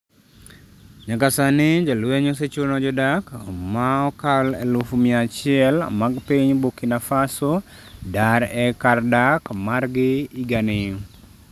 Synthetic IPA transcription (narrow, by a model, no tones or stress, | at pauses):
ɲakasanɪd͡ʒalweɲɔs̬et͡ʃuɾnɔd͡ʒɔdakmaɔkalɛ̰lufumiat͡ʃɪɛl̰maɡpiɲbukinafaso | daɾɛkardakmarɡɪiɡanɪ